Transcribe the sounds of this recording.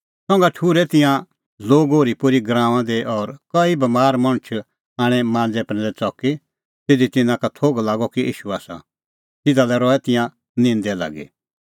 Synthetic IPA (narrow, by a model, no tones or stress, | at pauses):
sɔ̃ŋɡaʈʰuːɾɛt̪ɪ̃jã | loːɡɦoːɾipʊɾiɡɾãːʋ̃ãd̪eʔɔːɾkɐibɐmaːɾmɐ̃ɽ̃t͡ʃʰ | aːɽ̃ɛmãːnd͡zɛpɾɛ̃lɛt͡sɔki | t̪ed̪it̪ɪnãkat̪ʰoːɡlaːɡɔkiʔḭːʃuaːsa̰ | t̪ɪd̪alɛɾɔɛt̪ɪ̃jã | nɪ̃nd̪ɛla̰ːɡḭ